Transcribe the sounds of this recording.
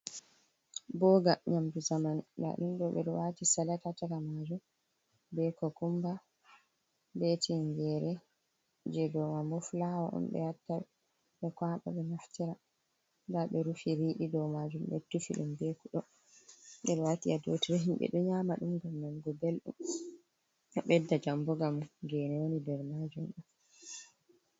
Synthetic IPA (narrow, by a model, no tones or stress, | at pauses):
bɔɡaɲamduzamanda̰ɗunɗɔɓɛɗɔwatisalatataɾamad͡ʒum | bɛkɔkumba | bɛtʰiŋɡɛɾɛ | d͡ʒɛdɔmamɔflawaʔɔ̰mɓɛ̰jatːa | ɓɛkwaːɓa̰ɓɛnaftiɾa | daɓɛɾufiɾiːɗidɔmad͡ʒumbɛ̰tːufḭɗṵmbɛkuɗɔ | ɗɛɗɛwatiadotiɾɛɦimɓɛ̰ɗɔɲamaɗumɡamnamɡɔbelɗṵm | aɓɛdːad͡ʒambɔɡamɡɛnɛwonidɛɾmad͡ʒumɗum